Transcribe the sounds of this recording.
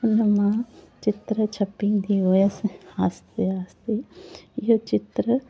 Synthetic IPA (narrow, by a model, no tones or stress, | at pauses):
ɐnɐmaːt͡ʃit̪ɾɐt͡ʃʰɐpːiŋd̪iʋoːjesaːst̪eaːst̪ejot͡ʃit̪ɾɐ